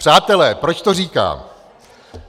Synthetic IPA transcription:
r̥aːt̪ɛlɛːpɾo̞t͡ʃt̪oriːka̰ː

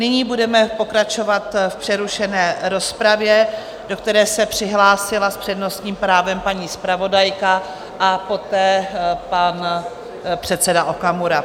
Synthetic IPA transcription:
nɪɲiːbudɛmɛpo̞kɾat͡ʃo̞vat̪fpr̥ɛɾuʃɛnɛːɾo̞spɾavjɛ | do̞kt̪ɛɾɛːsɛpr̝̥ɪɦlaːsɪlaspr̥ɛdno̞st̪ɲiːmpɾaːvɛmpaɲiːspɾavo̞dajka | ʔapo̞t̪ɛːpan | pr̝̥ɛt̪sɛdaʔokamuɾa

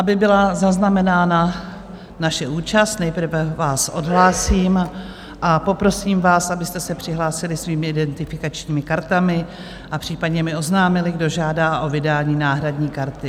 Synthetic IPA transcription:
ʔabɪbɪlazaznamɛnaːna | naʃɛʔuːt͡ʃast̪nɛjpr̩vɛvaːsʔo̞̰dɦlaːsiːm | ʔapo̞pɾo̞siːmvaːsʔabɪst̪ɛsɛpr̝̥ɪɦlaːsɪlɪsviːmɪɪdɛnt̪ɪfɪkat͡ʃɲiːmɪkaɾt̪amɪ | ʔapr̝̥iːpadɲɛmɪo̞znaːmɪlɪɡdo̞ʒaːdaːʔo̞vɪdaːɲiːnaːɦɾadɲiːkaɾt̪ɪ

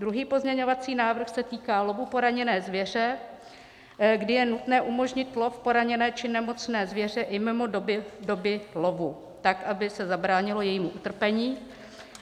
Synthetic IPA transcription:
d̪ɾuɦiːpo̞zmɲɛɲo̞vat͡siːnaːvr̩xsɛt̪iːkaːlo̞vupo̞ɾaɲɛnɛːzvjɛr̝ɛ | ɡdɪjɛnut̪nɛːʔumo̞ʒɲɪt̪lo̞fpo̞ɾaɲɛnɛːt͡ʃɪnɛmo̞t͡snɛːzvjɛr̝ɛʔɪmɪmo̞dobɪdo̞bɪlo̞vu | t̪akʔabɪsɛzabɾaːɲɪlo̞jɛjiːmuʔut̪r̩pɛɲiː

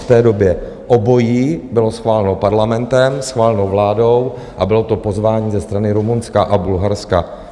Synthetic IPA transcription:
ft̪ɛːdo̞bjɛ | ʔobo̞jiːbɪlo̞sxvaːlɛnopaɾlamɛnt̪ɛmsxvaːlɛnowvlaːdo̞w | ʔabɪlo̞t̪o̞po̞zvaːɲiːzɛst̪ɾanɪɾumunskaʔabulɦaɾska

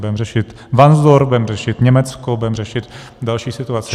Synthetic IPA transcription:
bɛmrɛʃɪt̪ | vanzdoɾbɛmrɛʃɪt̪ɲɛmɛt͡skobuɛmrɛʃɪt̪ | dalʃiːsɪt̪uat͡sɪ

